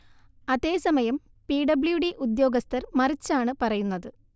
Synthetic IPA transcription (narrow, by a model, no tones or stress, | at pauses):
ɐðe̞ːsɐmɐjɐm | piːɖɐbljuɖiʔud̪jo̞ːɡɐst̪ʰɐrmɐrit͡ɕːaːɳɨpɐrɐjunːɐðɨ